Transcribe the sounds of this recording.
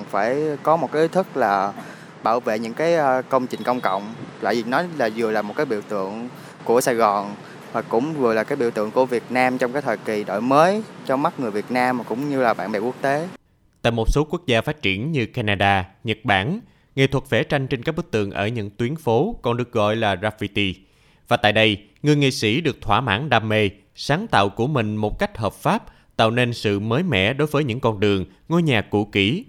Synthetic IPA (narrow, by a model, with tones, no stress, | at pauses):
faː˧˩jkɔ˨˦mo˨˩t̚kaː˨˦ʔi˨˦t̪ʰɨ˦˥k̚laː˨˩ | ɓaː˧˩wvḛ˧˨ɲɨ̰˧˥ŋkaː˨˦jkə˧wŋ͡mt͡ɕï˨˩ŋ̟kə˧wŋ͡mkə̰˧˨wŋ͡mt̪a̰ː˧˨jzi˨˩nɔ˨˦jlaː˨˩zɨ˨˩əlaː˨˩mo˨˩t̚kaː˨˦ɓḭ˧˨wt̪ɨ̰˧˨əŋ | ku˧˩əsaː˧˩jɣɔ˨˩n | vaː˨˩kʊ̰˧˥ŋ͡mvɨ˨˩jla˨˩kaː˨˦jɓḭ˧˥əwt̪ɨ̰˧˨əŋku˧˩əvi˨˩ət̚naː˧mt͡ɕwŋ͡mkaː˨˦jt̪ʰəː˨˩ki˨˩ɗo̰˧˨jməː˨˦jt͡ɕɔ˧ma˦˥t̚ŋɨ˨˩əjvi˨˩ət̚naː˧mːaː˨˩kʊ̰˧˥ŋ͡mɲɨ˧laː˨˩ɓa̰ː˧˨nɓɛ̰˧˨˩ku˦˥ək̚t̪e˨˦ | t̪a̰ː˧˨jmo˨˩t̚so˨˦ku˦˥ək̚zaː˧faː˦˥t̚t͡ɕi˧˩ənɲɨ˧kaː˧naː˧ɗaː˧ɲə˨˩t̚ɓaː˧˩n | ŋe˨˩t̪ʰwə˨˩t̚vɛ˧˩˦t͡ɕa˧jŋ̟t͡ɕe˧nkaː˦˥k̚ɓɨ˦˥k̚t̪ɨ̰˨˩əŋʔəː˧˩ɲɨ̰˧˥ŋt̪wi˨˦ənfo˨˦kɔ˨˩nɗɨ˨˩ək̚ɣɔ̰˧˨jlaː˨˩zaː˧fi˧t̪i˧ | vaː˨˩t̪a̰ː˧˨jɗə˧j | ŋɨ˨˩əjŋḭ˧˨sḭ˧˩ɗɨ˨˩ək̚t̪ʰwaː˧˩ma̰ː˧˥nɗaː˧me˧ | saː˨˦ŋt̪a̰ː˧˨wku˧˩əmï˨˩ŋ̟mo˨˩t̚ka˦˥jk̟̚ɦəː˨˩p̚faː˦˥p̚ | t̪a̰ː˧˨wne˧nsɨ̰˧˨məː˨˦jmɛ̰˧˨ɗo˨˦jvəː˨˦jɲɨ̰˧˥ŋkɔ˧nɗɨ˨˩əŋ | ŋo˧jɲaː˨˩kṵ˧˩ki˧˩